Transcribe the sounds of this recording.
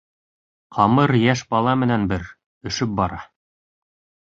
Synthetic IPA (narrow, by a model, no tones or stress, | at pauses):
qʰɑmɤɾjæʃbɑlˠɑmɘ̆nænbɘɾ | ɵ̆ʃɵp̚bɑɾɑ